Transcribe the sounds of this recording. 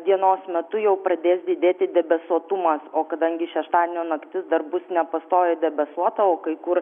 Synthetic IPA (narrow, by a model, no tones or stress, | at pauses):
d̪ʲiɛnoːsmʲɛt̪ʊjɛʊpɾɐd̪ʲeːsd̪ʲɪd̪ʲeːt̪ʲɪd̪ʲɛbʲɛsuɔt̪ʊmɐsoːkɐd̪ɐŋʲɡʲɪʃʲɛʃt̪ɑːd̪ʲenʲoːnɐkt̪ʲɪsd̪ɐrbʊsnʲɛpɐst̪oːjɛd̪ʲɛbʲɛsuɔt̪ɐoːkɐɪkʊɾ